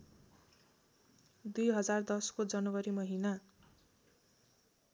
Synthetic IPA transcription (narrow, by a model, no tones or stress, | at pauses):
d̪ujɦʌd͡zard̪ʌskod͡zʌnʌwʌɾimʌɦina